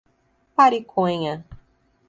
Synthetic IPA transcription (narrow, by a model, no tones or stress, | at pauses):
paɾikʰõɲɐ